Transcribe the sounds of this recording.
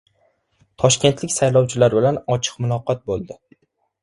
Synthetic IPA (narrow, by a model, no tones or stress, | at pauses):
t̪ʰɒʃkʲe̞nt̪lɪkʲsajlɒwt͡ʃʰɪlaɾbɪlanɒt͡ʃʰɨ̥qmʊlˠɒqɒt̪̚bolˠd̪ɪ